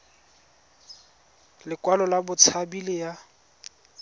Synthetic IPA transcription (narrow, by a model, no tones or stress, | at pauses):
lɪkwalɔlabʊt͡sʰabilɪja